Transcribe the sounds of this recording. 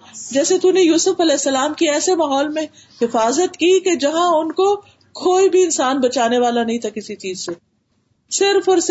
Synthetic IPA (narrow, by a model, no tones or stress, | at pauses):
d͡ʒɛːset̪unejuːsʊfɐlɛːɪsːɐlaːmkiɛːsemaːɦɔːlmẽ | hɪfaːzət̪kiked͡ʒɐɦãʊnko | kʰoːibʱiɪnsaːnbɐt͡ʃaːneʋaːlanɐɦĩt̪ʰakɪsit͡ʃiːzse | sɪɾfɔːɾs